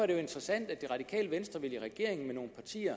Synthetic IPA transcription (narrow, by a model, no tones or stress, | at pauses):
ɐdɾe̝jo̝e̝nd̥ʁɛsæn̰d̥æd̥e̝ʁɑ̈d̥ikʰɛ̰ːləʋensd̥ʁɐʋe̝liʁɛɡ̥e̝ɐe̝ŋn̩meno̝ːnpʰɑ̈t͡sʰḭːɐ